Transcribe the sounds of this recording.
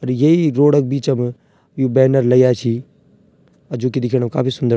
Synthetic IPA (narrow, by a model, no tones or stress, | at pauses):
ɐɾjeiɾoːɽək̚biːt͡ʃɐm | jubɛːnəɾlɐjaːt͡ʃʰi | ɐd͡ʒuːkid̪ɪkʰiɽ̃əmka̰ːpʰisʊnd̪ə